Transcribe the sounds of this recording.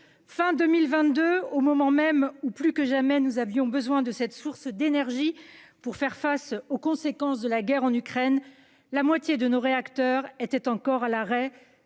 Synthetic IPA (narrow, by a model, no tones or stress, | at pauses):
fɛ̃d̪ømilvɛ̃t̪d̪øomɔmɑ̃mɛmuplykəʒamɛnuzavjɔ̃bəzwɛ̃d̪əsɛt̪suʁsd̪enɛʁʒipuʁfɛʁfasokɔ̃sekɑ̃sd̪əlaɡʲɛʁɑ̃nykχɛn | lamwat̪jed̪ənoʁeakt̪œʁet̪ɛt̪ɑ̃kɔʁalaʁɛ